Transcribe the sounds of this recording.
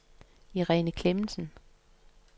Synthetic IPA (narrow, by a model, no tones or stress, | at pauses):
iʁɛnəkʰlemn̩sən̩